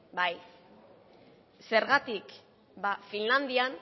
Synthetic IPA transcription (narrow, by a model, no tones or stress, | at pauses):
baj | se̞ɾɣat̪ik | bafinland̪ian